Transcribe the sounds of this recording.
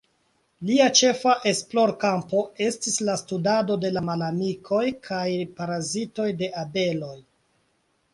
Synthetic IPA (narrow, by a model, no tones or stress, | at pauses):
liat͡ʃe̞faʔe̞splo̞ɾkampo̞e̞stislastudado̞de̞lamalamikʰo̞jkʰajpaɾazito̞jde̞ʔabe̞lo̞j